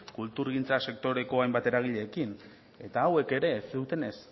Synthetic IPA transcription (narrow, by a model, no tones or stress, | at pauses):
kult̪uɾɣ̞int͡sase̞k̚t̪o̞ɾe̞ko̞ajmbat̪e̞ɾaɣiʎe̞ːkin | e̞t̪aːwe̞ke̞ɾe̞ːsðut̪e̞ne̞s